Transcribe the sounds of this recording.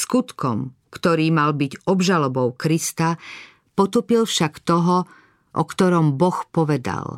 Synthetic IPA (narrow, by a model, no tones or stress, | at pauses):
skut̪kɔm | kt̪ɔɾiːmalbiɟɔbʒalɔbɔʊkɾist̪a | pɔt̪uːpilfʃakt̪ɔɦɔ | ʔɔ̰kt̪ɔɾɔmbɔxpɔʋɛd̪a̰l